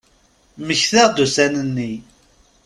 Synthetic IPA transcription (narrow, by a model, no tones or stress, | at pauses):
məçθəʁd̪usænənːi